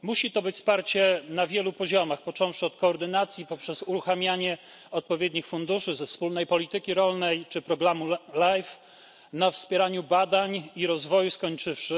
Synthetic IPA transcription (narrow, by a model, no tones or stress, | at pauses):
muɕit̪ɔbɘt͡ɕʲspaɾt͡ɕɛnavʲjɛlupɔʑɔmaxpɔt͡ʂɔ̃w̃fʂɘɔt̪̚kɔːɾd̪ɘnat̪sʲjipɔpʂɛzuɾuxamʲjaɲɛ | ɔt̪̚pɔvʲjeɛd̪ɲixfund̪uʂɘzɛfspulnɛjpɔlʲit̪ɘkʲiɾɔlnɛjt͡ʂɘpɾɔɡɾamulajf | nafspʲjɛɾaɲubad̪aɲiɾɔzvɔjuskɔɲt͡ʂɘfʂɘ